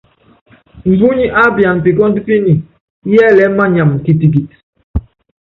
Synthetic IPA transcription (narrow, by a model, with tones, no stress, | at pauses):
m̩˨bu˦ɲi˦ʔa˦bja˨n˨pi˨kɔ˦n˦di˦pi˦ni˨ | jɛ˦˨lɛ˦ma˦ɲa˨m˨ki˨ti˨ɡ̬i˨